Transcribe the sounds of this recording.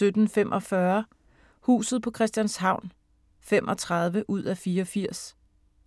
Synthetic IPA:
ød̥n̩fem̰ʔɒ̽fɶɐ | hṵːsð̞̩ˠpʰɒ̽kʰʁɛsd̥jænshɑ̈ʊ̰n | fem̰ʔɒ̽t͡sʰʁɑð̞ˠʋəʔuð̞̰ˠæfiːɐɒfiɐ̰s

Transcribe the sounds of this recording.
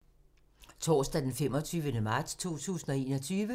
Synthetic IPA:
t͡sʰɒ̰ːsd̥æd̥enfem̰ɒ̽t͡sʰyːʋənəmɑ̈ːd̥st͡sʰo̝̰ːt͡sʰṵːsn̩ɒ̽e̝̰ːnɒ̽t͡sʰyːʋə

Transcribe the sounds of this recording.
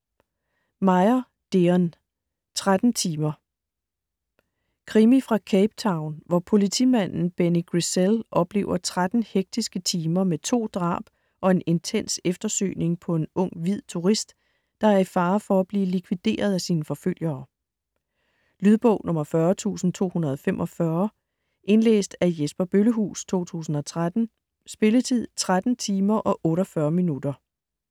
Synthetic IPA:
mɑ̈ɪɐ | d̥eɒn | t͡sʰʁad̥n̩t͡sʰiːmɐ | kʰʁimifʁɑ̈kʰeɪb̥̚t͡sʰɑ̈ʊnʋɒpʰo̝lit͡sʰḭmæn̰n̩b̥eniɡ̥ʁiselʔɒ̽b̥le̝̰ːʊɐt͡sʰʁad̥n̩heɡ̥̚d̥isɡ̥ət͡sʰiːmɐmet͡sʰo̝̰ːd̥ʁɑ̰̈ːb̥ | ʔɒ̽e̝ne̝nt͡sʰen̰sefd̥ɐsø̰ːne̝ŋpʰɒ̽e̝nɔ̽ŋ̰ʋið̞̰ˠt͡sʰuʁisd̥ | d̥ɑ̈æɐifɑ̈ːfɒ̽æb̥liːlikʰʋid̥e̝̰ːɐð̞ˠæsiːnəfɒ̽føl̰jɐː | lyðˠb̥ɔ̽ʊ̰nʔɔ̽mɐfɶɐt͡sʰṵːsn̩t͡sʰo̝̰ːhunɐð̞̩ˠɒfem̰ʔɒ̽fɶɐ | ʔe̝nlḛːsd̥æjesb̥ɐb̥øləɦṵːst͡sʰo̝̰ːt͡sʰṵːsn̩ɒ̽t͡sʰʁad̥n̩ | sb̥e̝lət͡sʰið̰ˠt͡sʰʁad̥n̩t͡sʰiːmɐʔɒ̽ʔɔ̽ːɾɐfɶːɐminud̥ɐ

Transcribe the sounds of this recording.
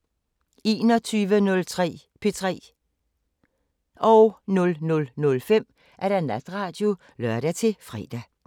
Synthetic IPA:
e̝ːnɒ̽t͡sʰyːʋənɔ̽lt͡sʰʁɛ̰ː | pʰe̝t͡sʰʁɛ̰ː | ʔɒʊnɔ̽lnɔ̽lnɔ̽lfem̰ | ʔæɐɾ̥ænæd̥ʁɑ̈ːd̥jo̝ | lɶɐɾ̥æt͡sʰe̝fʁɛ̰ːd̥æ

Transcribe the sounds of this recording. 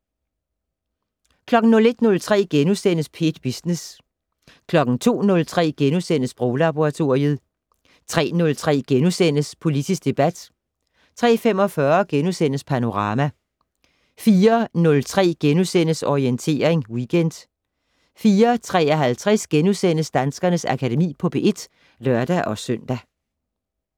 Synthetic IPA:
kʰlɒ̽ɡ̥n̩nɔ̽le̝d̥nɔ̽lt͡sʰʁɛ̰ːɡ̥enusen̰əspʰe̝̰ːd̥b̥isnes | kʰlɒ̽ɡ̥n̩t͡sʰo̝̰ːnɔ̽lt͡sʰʁɛ̰ːɡ̥enusen̰əsb̥ʁoʊlɑb̥oʁɑ̈t͡sʰo̝ɐ̰iəð̞ˠ | t͡sʰʁɛ̰ːnɔ̽lt͡sʰʁɛ̰ːɡ̥enusen̰əspʰo̝lidʰisɡ̥d̥e̝b̥æd̥ | t͡sʰʁɛ̰ːfem̰ɒ̽fɶɐɡ̥enusen̰əspʰæno̝ʁɑ̈ːmæ | fiːɐnɔ̽lt͡sʰʁɛ̰ːɡ̥enusen̰əsɒʁient͡sʰe̝̰ːɐeŋwiɡ̥en̰d̥ | fiːɐt͡sʰʁɛ̰ːɒ̽ɦælt͡sʰʁɛsɡ̥enusen̰əsd̥ænsɡ̥ɐnəsækʰæde̝mḭːpʰɒ̽b̥e̝ʔe̝d̥ | lɶɐd̥æʔɒ̽sœn̰d̥æ

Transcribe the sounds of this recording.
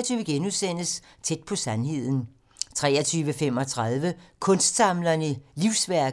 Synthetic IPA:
ɐt͡sʰyːʊʋəɡ̥enuðˠsen̰əs | t͡sʰed̥̚pʰɒ̽sænhe̝ð̰ˠn̩ | t͡sʰʁɛ̰ːɐt͡sʰyːʋəfem̰ɒ̽t͡sʰʁɑð̞ˠʋəkʰɔ̽nsd̥sɑ̈mlɐniliʊsʋæɐɡ̥

